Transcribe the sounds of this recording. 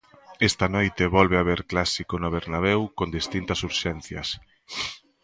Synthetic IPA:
est̪ɐnojt̪eβɔlβeaβ̞eɾklasikonoβ̞eɾnaβ̞ɛwkond̪ist̪int̪ɐsuɾʃɛn̟θjɐ̰s

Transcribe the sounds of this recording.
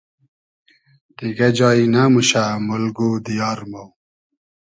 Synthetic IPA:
t̪iɡad͡ʑɑːinamuɕamulɡod̪ijɑːɾmaw

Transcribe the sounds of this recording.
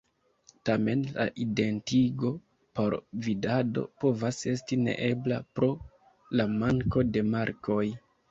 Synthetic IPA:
tame̞nla̰ʔide̞ntiɡo̞ | po̞ɾvidado̞̰po̞vase̞stine̞̰ʔe̞bla̰pɾo̞ | lamaŋko̞de̞maɾkʰo̞j

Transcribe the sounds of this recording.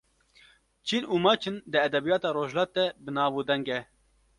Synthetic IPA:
t͡ʃʰinuːmɑːt͡ʃʰɨnd̪ɨɛd̪ɛbijɑːt̪ɑːɾoːʒlɑːt̪̚ːɛbɨnɑːbuːd̪ɛŋɡɛ

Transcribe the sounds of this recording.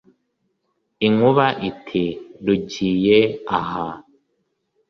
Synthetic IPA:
iŋuβaʔitʰiduɟiːjeaha

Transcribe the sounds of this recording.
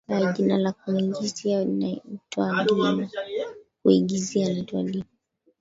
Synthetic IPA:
aʄinalakuiɡizianatwalianakuiɡizialɛtwa̰lini

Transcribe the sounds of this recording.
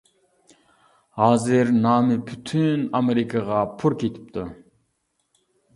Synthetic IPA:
hɑːzɪɾnɑːmɨpʰyt̪ʰynameɾikʰɑʁɑpʰuɾkʰʲet̪ʰi̥p̚t̪ʰʊ

